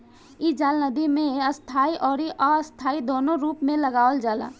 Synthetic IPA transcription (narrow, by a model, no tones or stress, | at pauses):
id͡ʒaːlnəd̪imẽəst̪ʰaːiʔɔːɾiʔaəst̪ʰaːid̪oːnoɾuːpmẽləɡaːʋəld͡ʒaːla̰ː